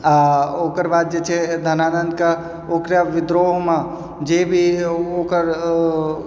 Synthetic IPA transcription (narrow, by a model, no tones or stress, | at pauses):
aoːkəɾbaːd̪̚d͡ʒet͡ʃʰed̪ʱənaːnənd̪ke | oːkɾjaʋɪd̪ɾoɦmã | d͡ʒebʱioːkəɾ